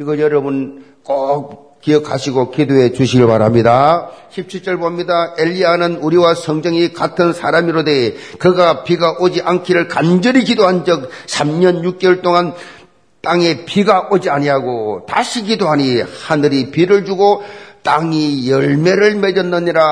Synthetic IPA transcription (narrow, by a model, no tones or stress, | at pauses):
iɡʌɭjʌɾʌbun | k͈op̚ | kiʌkʰaɕʰiɡokidoɦe̞t͡ɕuɕʰiɡɯɭpaɾamɲidaɕʰip̚t͡ɕʰiɭt͡ɕ͈ʌɭbomɲidaeʎːianɯnuɾiwasʰʌŋd͡ʑʌŋikatʰɯnsʰaɾamiɾodekɯɡapiɡaʔod͡ʑiʔankʰiɾɯɭkand͡ʑʌɾikidoɦand͡ʑʌk̚sʰamɲʌnjuk̚k͈ʌɭt͈oŋan | t͈aŋe̞piɡaʔod͡ʑiaɲiɦaɡotaɕʰikidoɦaɲihanɯɾipiɾɯɭd͡ʑuɡot͈aŋijʌɭme̞ɾɯɭme̞d͡ʑʌnːʌɲiɾa